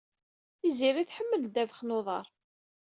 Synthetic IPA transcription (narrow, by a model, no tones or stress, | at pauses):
θiziɾiθħəmːəld̪ævəχnoðˤɑɾˤ